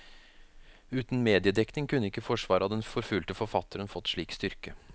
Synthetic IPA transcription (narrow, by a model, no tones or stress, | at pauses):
ʉːt̪n̩meːd̪ɪəd̪ɛknɪŋkʰʉnːəɪkːəfɔʂʋɑːɾɑd̪ɛnfɔɾfʉːlt̪əfɔɾfɑt̪ːəɾənfɔt̪ːʂɭiːkst̪ʏɾkə